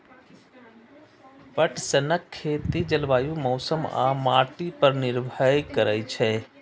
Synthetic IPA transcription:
pəʈʰsənəkʰːeːt̪id͡ʒəlʋaːjũmɔːsəmã̰ːmaːʈipəɾnɪɾbʱəjkəɾəit͡ʃʰɛ̃ː

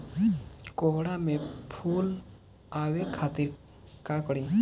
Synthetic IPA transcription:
koɦɽamepʰul | awekʰat̪iɾ | kakɽi

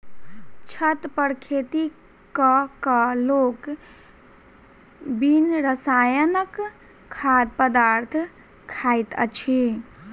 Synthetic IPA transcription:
t͡ʃʰət̪pəɾkʰet̪i | kəkəlok | binɾəsajənəkʰː | ad̪̚pəd̪aɾt̪ʰ | kʰajt̪ə̰t͡ʃʰi

